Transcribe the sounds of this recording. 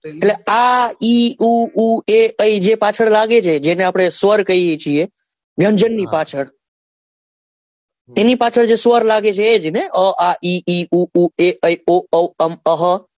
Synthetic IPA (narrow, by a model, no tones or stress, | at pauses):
lɛaiuueəid͡ʒepat͡ʃʰəɽlaɡet͡ʃʰɛd͡ʒeneapɽesʋəɾkəjet͡ʃʰie | ɡʱə̃nd͡ʒənːipat͡ʃʰəɽ | enipat͡ʃʰəɽd͡ʒesʋəɾlaɡet͡ʃʰɛd͡ʒineɔʔaʔiiuueʔəioəəməɦə